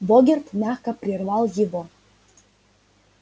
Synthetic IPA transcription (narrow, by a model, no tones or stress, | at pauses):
boɡʲert̪mʲæxkəpɾʲirvɑlˠjivo